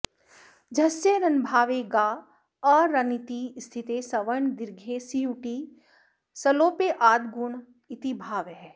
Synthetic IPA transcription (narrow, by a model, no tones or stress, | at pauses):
d͡ʒɐseɾɐnbʱaːʋeɡaː | ɔːɾːɐnit̪ist̪ʰit̪esɐʋəɳd̪ɪɾɡʱesijuʈi | sɐloːpeʔaːd̪ɡuɳ | ɪt̪ibʱaːʋɦɛː